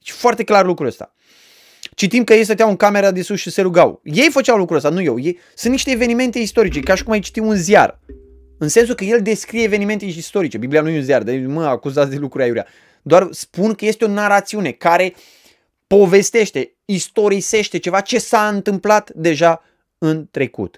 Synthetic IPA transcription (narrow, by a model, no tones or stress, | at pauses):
t͡ʃfoart̪e̞klarlukɾuəst̪a̰ | t͡ʃit̪imkəjejs̬ət̪̬jawɨŋkame̞ɾad̪esusʃise̞ɾuɡawje̞jfət͡ʃawlukɾuəst̪anujewjej | sɨnt̪niʃt̪eːve̞nime̞nt̪e̞ist̪oɾit͡ʃe̞kaʃi̥kumajt͡ʃi̥t̪imunzia̰r | ɨnse̞ns̬ukəje̞ld̪e̞skɾije̞ːve̞nime̞nt̪eist̪o̞ɾit͡ʃe̞biblianujeunziard̪aməakuzat̪sd̪elukɾuɾiajuɾija̰ | d̪oarspunkəje̞st̪eo̞naɾat̪siune̞kaɾe̞ | po̞ve̞st̪e̞ʃt̪e̞ | ist̪o̞ɾise̞ʃt̪e̞t͡ʃe̞vat͡ʃe̞saɨnt̪ɨmplat̪d̪e̞ʒa | ɨnt̪ɾe̞kṵt̪